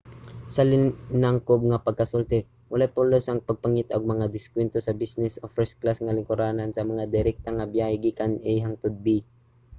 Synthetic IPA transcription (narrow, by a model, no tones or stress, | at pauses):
sɐlɪnaŋkob̚ŋɐpɐɡ̚kɐsult̪ɛ | wɐlajpolosɐŋpɐɡ̚pɐŋit̪oɡ̚mɐŋad̪ɪskwɛnt̪osɐbisnɛsofɾɛsklasŋɐlɪŋkʊɾaːnansɐmɐŋad̪ɛɾɛk̚t̪aŋɐbjahɛɡiːkanɛjɦaŋt̪ʊd̪̚bi